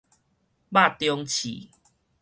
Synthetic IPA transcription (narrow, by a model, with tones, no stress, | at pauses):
ba˥˨t̪jɔ˧ŋt͡ɕʰḭ˨